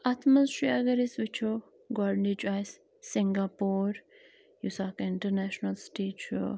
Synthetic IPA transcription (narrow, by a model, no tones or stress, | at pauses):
ɐt̪ʰmɐzʃiaɡɐɾisʋit͡ʃʰo | ɡɔɖnid͡ʒuaːjsː | iŋɡapoːɾ | jusaːkɪɳʈəɾnɛʃnɐlsʈeːt͡ʃʰo̰